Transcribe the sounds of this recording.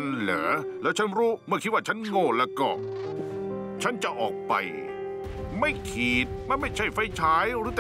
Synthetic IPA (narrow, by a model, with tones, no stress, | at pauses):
nlɤ̰ː˩˦lɛː˦˥wt͡ɕʰa˦˥nɾuː˦˥mɯ˥˩kʰi˦t̪̚wa˥˩t͡ɕʰa˦˥nŋoː˥˩lɛː˧˩kɔː˧˩ | t͡ɕʰa˦˥nt͡ɕa˨˩ʔɔː˨˩k̚pa̰˧j | ma˥˩jkʰiː˨˩t̪̚ma˧˥˩nma˥˩jt͡ɕʰa˥˩jfa˧˥˩jt͡ɕʰaː˦˥jɾɯː˨˦˥t̪